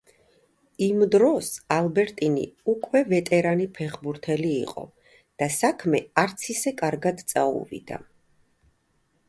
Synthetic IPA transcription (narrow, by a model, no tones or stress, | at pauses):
imd̪ɾɔsalˠbɛɾt̪ʼinḭukʼwɛvɛt̪ʼɛɾanipʰɛχbuɾt̪ʰɛlḭːqʼɔ̰ | d̪̥asakʰmɛaɾt̪sʰisɛkʼaɾɡad̪t̪sʼaṵvḭd̪a̰